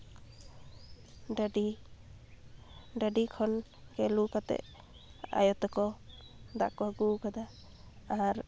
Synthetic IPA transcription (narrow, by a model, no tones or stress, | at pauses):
i | ɖaɖikʰɔn | ɡɛlukat̪ɛ̰ʔ | a̰jɔt̪ɔkɔd̪a̰ʔkwaɡukad̪aː | ɾ